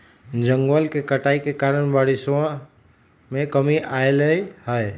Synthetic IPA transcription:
d͡ʒəŋɡʋəlkekəʈaːikekaɾəɳ̃baɽɪsõ | mẽkəmiʔaeləɦəe

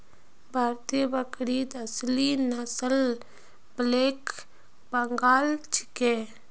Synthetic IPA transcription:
bʱaːɾt̪ijbəkɾiːd̪əslinəsəl | bleːk | bəŋɡaːlt͡ʃʰi̥ke

